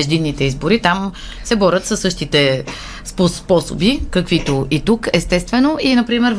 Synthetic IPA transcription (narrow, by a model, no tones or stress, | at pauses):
ʒd̪inːit̪ɛizboɾit̪am | sɛbɔɾʲət̪sɐsːɤʃt̪it̪ɛ | spospɔso̰bikɐkvit̪oʔit̪ukɛst̪ɛst̪vɛnoʔinɐpɾimɛɾ